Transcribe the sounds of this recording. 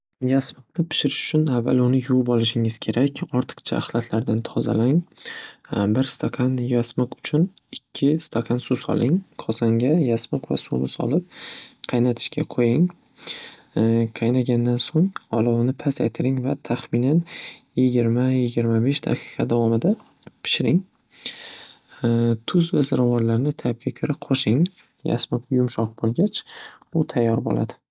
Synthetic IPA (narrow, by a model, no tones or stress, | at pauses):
jasmɨqnɪpʰɪ̥ʃɪɾɪʃʊ̥t͡ʃʰʊnavːa̰lʊnɪjubɒlˠɪʃɪŋɪz̥kʲʰe̞ɾakʲɒɾt̪ʰɨ̥qt͡ʃʰa̰ʔːχlˠat̪ʰlaɾd̪ant̪ʰɒza̰laŋ | bɪɾst̪ʰakʰɑnjasmɨqʊ̥t͡ʃʰʊnɪkʲʰːɪst̪ʰaqʰɑnsusɒ̰lɪŋqʰɒzaŋɡʲajasmɨqva̰sumɪsɒ̰lˠɪp̚qʰɑjnat̪ʰɪ̥ʃkʲʰaqʰojɪŋ | qʰɑjnaɡʲand̪ansoŋɒlˠɒwnɪpʰasa̰jt̪ʰɪɾɪŋvat̪ʰaχmɪnanjɪɡʲɪɾmajɪɡʲɪɾmabeʃd̪a̰qʰi̥qʰɑd̪avɒmɪd̪a | pʰɪ̥ʃɪɾɪŋ | t̪ʰʊzvazɪɾavɒɾlaɾnɪt̪ʰap̚ɡʲakʲʰʊɾɪqʰoʃɪŋ | ja̰smʊqʰjʊmʃɒq̚bolˠɡʲat͡ʃ | ʊt̪ʰajːɒɾbo̰lʔa̰d̪ɪ̥